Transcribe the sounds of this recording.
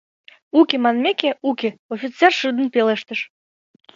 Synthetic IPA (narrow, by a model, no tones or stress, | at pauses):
ukʲemɑnmʲekʲeukʲeofʲit̪t͡sːɛrʃɨd̪ə̆npʲeleʃt̪ə̆ʃ